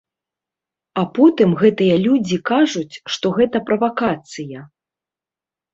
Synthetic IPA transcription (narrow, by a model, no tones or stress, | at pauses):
apɔt̪ɨmɣɛt̪ɨjɐlʲud͡zʲikaʐut͡sʲʂt̪ɔɣɛt̪ɐpɾɐvakat̪sɨjɐ